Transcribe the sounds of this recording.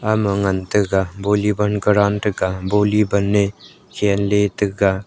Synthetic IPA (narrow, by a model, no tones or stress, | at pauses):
aməŋɐnt̪ɯɡabolibɐnɡəɾantɯɡabolibənːe | kʰenletɯɡa